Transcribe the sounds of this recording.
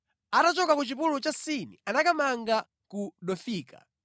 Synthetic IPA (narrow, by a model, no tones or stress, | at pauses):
atat͡ʃɔkakut͡ʃipulut͡ʃasinḭanakamaŋɡa | kuɗɔfiːka̰